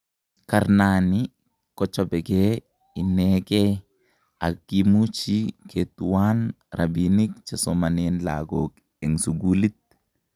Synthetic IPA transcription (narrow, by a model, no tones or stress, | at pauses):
kɐɾnaːni | kɔt͡ʃːɐbɛɡe | ɪnːeːke | ɐɡimut͡ʃikʰet̪ːuwaːn | ɾʔɐ̰binikt͡ʃɛsɔmɐneːnla̰ːɡo̰ːk | ɛŋsuɡuːlɪt̪ː